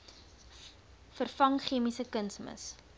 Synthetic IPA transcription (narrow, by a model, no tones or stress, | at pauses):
fərfɐŋχiəmisəkənsmə̰s